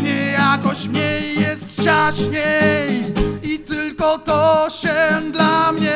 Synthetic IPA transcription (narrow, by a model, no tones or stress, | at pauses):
ɲɛjakɔɕt͡ɕmɲɛjːɛst̪t͡ɕaɕɲejit̪ɘlkɔt̪ɔɕɛd̪lamɲɛ